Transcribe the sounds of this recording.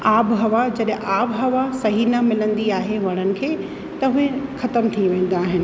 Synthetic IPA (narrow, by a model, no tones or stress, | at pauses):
aːbɦɐʋad͡ʑɐɗɪ̃ʔaːbɦɐʋasɐɦinɐmɪlə̃nd̪iaːɦeɦʊɽ̃ənɪ̆kʰeː | t̪ɐɦʊexɐt̪əmt̪ʰiʋẽːn̆d̪aːɦɪnɪ̆